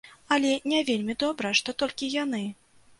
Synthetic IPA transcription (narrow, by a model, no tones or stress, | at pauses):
ɐlʲɛnʲɛvʲelʲmʲid̪ɔbɾɐʂt̪ɔt̪ɔlʲkʲijanɨ